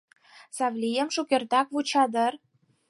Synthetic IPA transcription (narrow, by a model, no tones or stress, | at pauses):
sɑvlʲijə̆mʃukʲerd̪ɑkvut͡ɕɑd̪ə̆r